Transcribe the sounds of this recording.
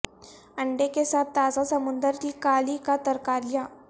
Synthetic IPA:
əɳɖekesat̪̚ːazasəmund̪əɾt̪iːkalikat̪əɾkaɾja

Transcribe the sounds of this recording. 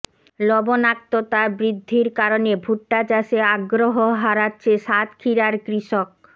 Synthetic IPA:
lɔbonak̚t̪ot̪abɾid̪ʱːiɾkaɾonebʱuʈːat͡ɕaʃeaɡɾoɦoɦaɾatːɕʰeʃat̪kʰiɾaɾkɾiʃok̚

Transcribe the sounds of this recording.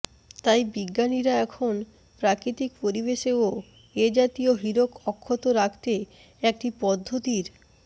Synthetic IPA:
t̪ajbiɡːaniɾaɛkʰon | pɾakɾit̪ikpoɾibeʃeo | ed͡ʑat̪ioɦiɾokɔkʰːot̪oɾakʰt̪e | ɛk̚ʈipɔd̪ʱːot̪iɾ

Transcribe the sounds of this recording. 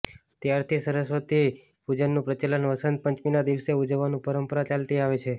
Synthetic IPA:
t̪jaɾt̪ʰisəɾəsʋət̪i | ud͡ʒənːũpɾət͡ʃelənʋəsənt̪̚pəɲt͡ʃminad̪iʋseud͡ʒəʋːanũpəɾəmpəɾat͡ʃalt̪iaʋet͡ʃʰe

